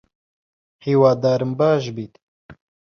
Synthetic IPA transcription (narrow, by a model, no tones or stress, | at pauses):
hiːwaːd̪aːɾɨmbaːʃ̬biːt̪